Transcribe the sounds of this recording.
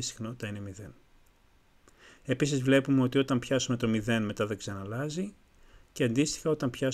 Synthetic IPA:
ist̪i̥xnɐot̪ɐine̞miðe̞n | e̞pisizvle̞pumeo̞t̪io̞t̪ɐmpçɐsume̞t̪o̞miðe̞nme̞t̪ɐðeksɐnɐlɐzi | ceɐnd̪ist̪ixɐo̞t̪ɐmpçɐ

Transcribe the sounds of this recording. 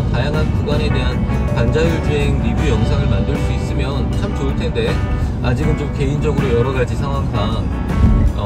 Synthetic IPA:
kajaŋɦankuɡwane̞de̞ɦan | pand͡ʑajuɭd͡ʑueŋniɡujʌŋsʰaŋɯɭmandɯɭs͈uis͈ɯmjʌnt͡ɕʰamt͡ɕoɯɭtʰe̞nde̞ | ad͡ʑiɡɯnt͡ɕomke̞ind͡ʑʌɡɯɾojʌɾʌɡad͡ʑisʰaŋɦwaŋbʰa | ʌ

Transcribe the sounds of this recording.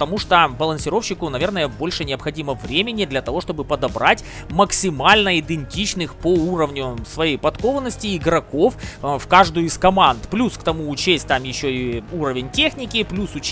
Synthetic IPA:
ət̪ɐmuʂt̪obəlˠənsʲɪɾo̞fɕːɪkʊnɐvʲe̞rnəjəbo̞lʲʂɨnʲɪəpxɐdʲiməvɾʲemʲɪnʲɪd̪lʲɐt̪ɐvo̞ʂt̪o̞bɨpəd̪ɐbɾatʲ | məksʲɪmalʲnəɪd̪ɨnʲtʲit͡ɕnɨxpouɾəvnʲʊsvɐjejpɐt̪ko̞vənːəsʲtʲɪːɡɾɐko̞ffkaʐd̪ʊjʊiskɐmant̪plʲuskt̪ɐmuːt͡ɕesʲtʲt̪amjɪɕːoiuɾəvʲɪnʲtʲexnʲɪkʲɪplʲusʊt͡ɕ

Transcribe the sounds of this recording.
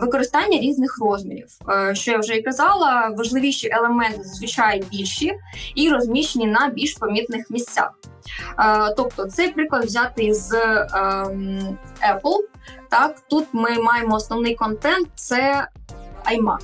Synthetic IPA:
ʋɪkɔɾɪst̪ɑnʲːɐɾʲiznɪxrɔzʲmʲḭɾʲḭwʃt͡ʃɔjawʒɛikɐzɑlˠɐʋɐʒlˠɪʋʲiʃiʔelˠemɛnt̪ɪzʋɪt͡ʃɑjɛbʲilʲʃiiɾɔzʲmʲiʃt͡ʃenʲinɐbʲilʲʃpɐmʲit̪nɪxmʲisʲt͡sʲa̰x | t̪ɔp̚t̪ɔt̪sɛjpɾɪklˠɐd̪ʋzʲɑt̪ɪz | ɛplˠt̪ɑkt̪ut̪mɪmɑjemɔːsnɔwnɪjkɔnt̪ɛnt̪̚t̪sɛ | ɐjmɑ̰

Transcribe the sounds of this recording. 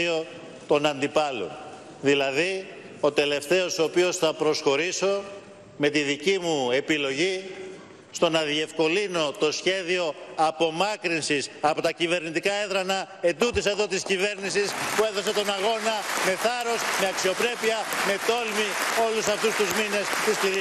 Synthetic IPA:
io̞ | t̪o̞nɐnd̪ipɐlo̰ | ðilɐði | o̞t̪e̞le̞ft̪e̞o̞soopio̞sθɐpɾo̞sxo̞ɾiso̞ | me̞t̪iðicimue̞pilo̞ʝi | st̪o̞nɐðie̞fko̞lino̞t̪o̞sçe̞ðio̞ɐpo̞mɐkɾinsisɐpo̞t̪ɐcive̞ɾnit̪ikɐeðɾɐnɐ | e̞nd̪ut̪ise̞ðo̞t̪iscive̞ɾnisispue̞ðo̞se̞t̪o̞nɐɣo̞nɐme̞θɐɾo̞sme̞ɐksio̞pɾe̞piɐme̞t̪o̞lmio̞lusɐft̪ust̪uzmine̞st̪ispiɾ

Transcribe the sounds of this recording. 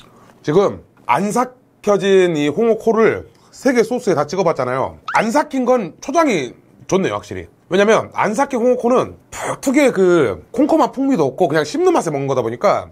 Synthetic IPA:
t͡ɕiɡɯm | a̰ns̬ʰa | kʰjʌd͡ʑiniɸoŋʌkʰoɾɯɭ | sʰe̞ɡe̞s͈ʰos͈ʰɯe̞tat͡ɕ͈iɡʌbat̚t͡ɕ͈anajo̰ans̬ʰakʰinɡʌnt͡ɕʰod͡ʑaŋi | t͡ɕonːe̞jo̰wak̚ɕ͈iɾḭ | we̞ɲamjʌna̰ns̬ʰakʰinhoŋokʰonɯnpatʰɯɡe̞kɯkʰoŋkʰomanpʰuŋmidoʌp̚k͈ʰokɯɲaŋɕʰimnɯmas̬͈ʰemʌnɡʌdaboɲik͈a

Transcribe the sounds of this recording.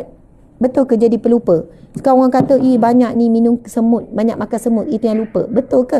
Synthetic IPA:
bət̪ʊlkəd͡ʒadipəlupəskawŋaŋkat̪əʔibaɲaʔ̚niminʊŋsəmʊt̪̚maɲak̚makasəmʊt̪ʔit̪ujãŋlupə̰bət̪ʊlkə

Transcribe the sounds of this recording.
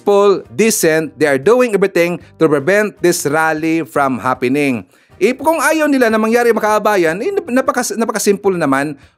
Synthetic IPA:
pʊld̪isɛnt̪̚d̪eɐɹd̪uɪ̃ŋʔɛvɹɪt̪ɪ̃ŋt̪ʊpɹɪvɛnt̪̚d̪ɪsɹalifɹɐmhapɪnɪŋ | ʔɪpkʊŋʔaːjɐwnɪlanɐmɐŋjaːɾɪɐmɐkaʔɐbaːjɐnɐjnnɐpɐkasnɐpɐkɐsɪmpʊlnɐman

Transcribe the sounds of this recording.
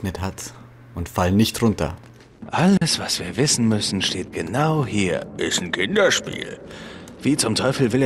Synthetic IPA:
nəthat | ʊntfalənːɪçtʁʊntɐ̰ | ʔaləsv̥asv̥iːɐvɪsn̩mʏsn̩ʃteːt̚ɡ̥ənaʊhiːɐʔɪstn̩kʰɪndɐʃpḭːlv̥iːt͡sʊmtʰɔʏfl̩vɪleː

